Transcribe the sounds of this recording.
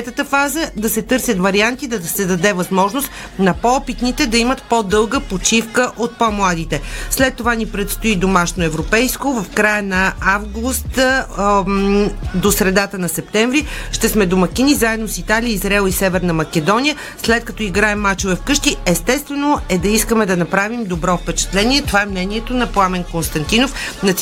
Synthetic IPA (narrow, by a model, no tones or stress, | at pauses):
ɛt̪ət̪əfazəd̪ɐsɛt̪ɤɾsʲjət̪vɐɾiant̪id̪ɐsɛd̪ɐd̪ɛvɐzmɔʒnost̪ | nɐpɔpit̪nit̪ɛd̪ɐimət̪pod̪ɤlˠɡəpot͡ʃifkəʔot̪̚pomlˠad̪it̪ɛslɛt̪ːovanipɾɛt̪st̪oid̪omaʃnoɛvɾopɛjskovɐfkɾajənɐavɡust̪ | d̪osɾɛd̪at̪ənɐsɛp̚t̪ɛ̃ɱvɾiʃt̪ɛsmɛd̪omɐkʲinizaɛd̪nosit̪alijəizɾɛlˠisɛvɛɾnɐmɐkɛd̪ɔnʲijə | slɛt̪̚kɐ̥t̪ɔiɡɾaɛmːat͡ʃovɛfkɤʃt̪iɛst̪ɛst̪vɛnoɛd̪ɐiskəmɛd̪ɐnɐpɾavimd̪obɾɔfpɛt͡ʃɛ̥t̪lɛniɛt̪ovaɛmnɛniɛt̪onɐplˠamɛnkonst̪ɐnt̪inofnɐt̪